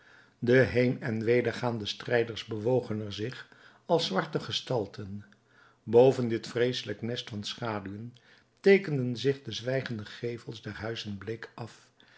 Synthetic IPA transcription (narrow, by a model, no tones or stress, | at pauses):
dəɦejnɛnʋejdəɹχaːndəstrɛjdəɹzbəʋowχənɛɹzɪχ | ɑlˠsʋɑɹtəχəstɑlˠtʰən | bowvəndɪtfrejsələknɛstfɑnsχaːdyən | tejkəndənzɪχdəzʋɛjχəndəχejvəlˠsdɛɹɦœɥzənblɪkʔɑf